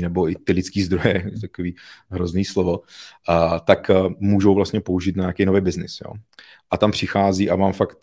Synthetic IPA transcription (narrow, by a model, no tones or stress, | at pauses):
nɛboɪt̪ɪlɪt͡skiːzd̪ɾojɛt̪ḁkoviːɦɾozniːslovo | t̪akmuːʒowvlast̪ɲɛpouʒiːt̪naɲaːkejnovɛjbɪznɪsjo̰ː | ʔat̪ampr̝̥ɪxaːziːʔamaːmfakt̪̚